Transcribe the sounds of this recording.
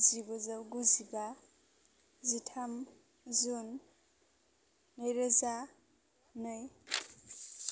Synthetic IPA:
zibɔzawɡuziba | zitʰam | zun | ɯjɾəza | nɯj

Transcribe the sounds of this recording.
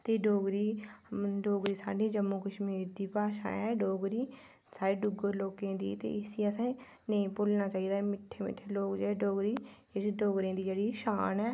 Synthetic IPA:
t̪eːɖoːɡɾiː | ɖoːɡɾiːsa̰ːɖiːd͡ʒəmːuːkəʃmiːɾd̪iːpaːʃã̰ːɛːɖoːɡɾiː | saːɾeːɖʊɡəɾloːkẽːd̪ḭːt̪ḛːɪsiːəsãː | nəĩːpʊlnaːt͡ʃaːiːd̪aːmɪʈʰːeːmɪ̰ʈʰːeːloːkd͡ʒeːeːɖoːɡɾiːd͡ʒeɽiːɖoːɡɾẽːd̪iːd͡ʒeːɽiːʃaːnɛː

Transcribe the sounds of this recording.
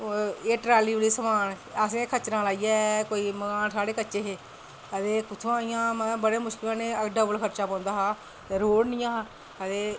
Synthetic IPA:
eːʈɾaːliːʋliːsəmaːn | əsẽːkʰət͡ʃnãːlaːijaːkoːiːməɡaːnsaːɽeːkətːt͡ʃeːɦeː | ət̪eːkʊt͡ʃʰõːaːijãːmət̪ləbbəɽeːmʊʃkɪlãːnẽːəɖəbəlkʰəɾt͡ʃaːpãːnd̪aːɦaː | t̪eːɾoːɽnɪjãː | ət̪eː

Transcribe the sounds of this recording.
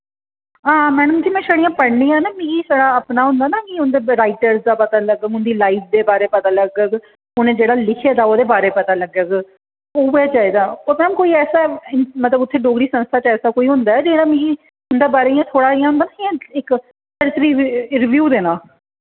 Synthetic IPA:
ãːmɛːnũːd͡ʒiːmɛ̃ːʃəɽijãːpəɽnĩːaːnaːmĩːɡiːsəɽaːəpnaːɦʊ̃nd̪aːnaːkiʊnd̪eːɾaːɪʈəɾzd̪aːpət̪aːləɡəkʊnd̪iːlaːip̚ʰd̪eːbaːɾeːpət̪aːləɡək | ʊnẽːd͡ʒeːɽaːlɪkʰeːd̪aːoːd̪eːbaːɾeːpət̪aːləɡək | oːbjaːt͡ʃaːiːd̪aːoːt̪ɛmkoːiːɛːsaːmət̪ləbʊt̪ʰːeːɖoːɡɾiːsə̃nst̪ʰaːt͡ʃɛːsaːkoːiːɦʊ̃nd̪aːɛːd͡ʒeːɽaːmĩːɡiː | ʊnd̪eːbaːɾeːjãːt̪ʰoːɽaːijãːɦʊnd̪aːnaːiãɪk | səɾt̪ɾiːɾɪʋjuːd̪eːnãː

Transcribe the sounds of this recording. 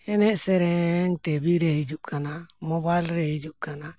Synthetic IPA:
ɛnɛsɛɾɛŋt̪ɛβiɾeid͡ʒukʰanamoβalɾeid͡ʒukana

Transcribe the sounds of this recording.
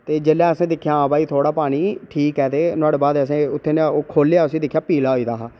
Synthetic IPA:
t̪eːd͡ʒeːlɛːəsẽːd̪ɪkʰːjaːãːbaːiːt̪ʰoːɽaːpaːɽ̃iːʈʰiːkɛːt̪eːnʊaːɽeːbaːd̪əs̬ẽːʊt̪ʰːeːnoːkʰoːlejaːʊsĩːd̪ɪkʰːjaːpiːlaːɦoiːd̪aːɦaː

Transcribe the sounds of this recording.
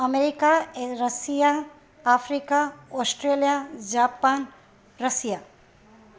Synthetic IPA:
ɐmeɾikaeɾɐsijaː | fɾikaɔːsʈɾeːlijad͡ʒaːpaːn | ɾɐsija

